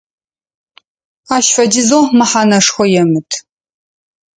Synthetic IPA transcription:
aːʃfɐdɪzoːmɨħaːnɐʂxʷɔjɛmɨtʰ

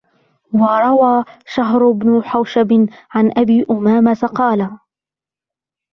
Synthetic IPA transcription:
wɑɾˤɑwaːʃaɦɾʊbnʊħawʃabɪʕanʔabiːʔʊmaːmat̪aqɑːla

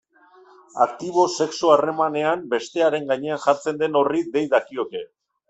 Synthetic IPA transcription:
a̰kt̪iβ̞o̞seksuare̞mane̞ambe̞st̪e̞aɾe̞ŋɡaɲe̞anxaɾt͡se̞nd̪e̞no̞riðe̞jðakio̞ke̞

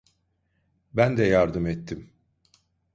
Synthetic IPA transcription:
bænd̪ɛjaɾd̪ɯmɛt̪ʰːim

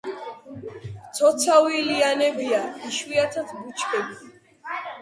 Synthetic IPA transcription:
t̪ʰɔt̪sʰawilianɛbiaiʃwiat̪ʰasʰbut͡ʃʰkʰɛbi

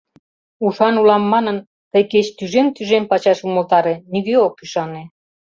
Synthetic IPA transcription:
uʃɑnulɑmːɑnə̆n | t̪əjket͡ɕt̪yʒemt̪yʒempɑt͡ɕɑʃuməlt̪ɑɾeniɣøokyʃɑne

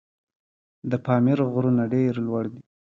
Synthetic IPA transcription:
d̪əpɑmiɾɣɾunaɖeɾlwaɽd̪i

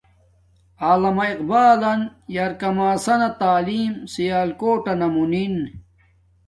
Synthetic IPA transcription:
aːlɐmɐiqbaːlɐnjɐɾkɐmaːsɐnɐt̪aːliːmsijaːlkoːʈɐnɐmunin

